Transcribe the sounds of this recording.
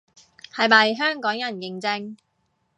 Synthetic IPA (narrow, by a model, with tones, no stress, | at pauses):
hɐ˨jmɐ˨jɦœː˥ŋkɔː˨˥ŋjɐ˨˩nkɪ˨ŋt͡sɪ˧ŋ